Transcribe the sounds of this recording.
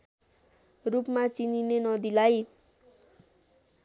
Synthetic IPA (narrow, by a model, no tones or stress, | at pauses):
rupmat͡sininenʌd̪ilaj